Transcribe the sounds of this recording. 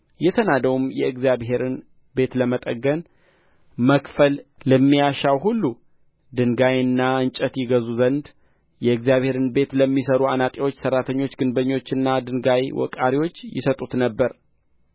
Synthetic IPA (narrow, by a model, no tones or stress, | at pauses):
jɛt̪ʰənad̪əwumjɛɨɡzijaβhe̞ɾɨn | be̞t̪ləmət̪ʼəɡən | məkfəlləmːijaʃawɦulːu | d̪ɨŋɡajɨnːaɨnt͡ʃʼət̪jɪɡəzuzənd̪ | jɛɨɡzijaβhe̞ɾɨnbe̞t̪ləmːisəɾuanat̪ʼiwo̞t͡ʃːsərːat̪ʰəɲːo̞t͡ʃːɡɨnbəɲːo̞t͡ʃːɨnːad̪ɨnɡajwɔ̰kʼaɾiwo̞t͡ʃːjɪ̰sət̪ʼut̪nəbːəɾ